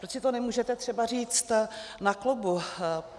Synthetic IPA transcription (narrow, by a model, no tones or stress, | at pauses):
ɾosɪt̪onɛmuːʒɛt̪ɛt̪r̝̥ɛbariːt͡st̪naklobu